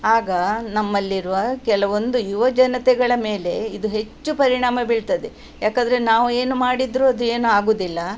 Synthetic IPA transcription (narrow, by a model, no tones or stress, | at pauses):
aːɡɐnɐmːɐlːiɾuʋɐkɛlɐʋo̞nd̪ujuʋɐd͡ʒɐnɐt̪ɛɡɐɭɐme̞ːle̞id̪uɦe̞t͡ʃːupɐɾiɳaːmɐbiɭt̪ɐd̪e | jaːkɐnd̪ɐɾenaːʋue̞ːnumaːɽid̪ɾuɐd̪ue̞ːnuaːɡoːd̪ilːɐ